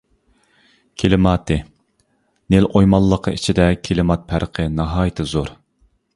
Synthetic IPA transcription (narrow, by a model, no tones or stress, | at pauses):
kʲʰelɪmɑːt̪ʰɨ | nelojmɑlˠːəqʰːəit͡ʃʰid̪ɛkʲʰelɪmɑt̪̚pʰæɾqʰənɑɦɑːjɪt̪ʰɨzoɾ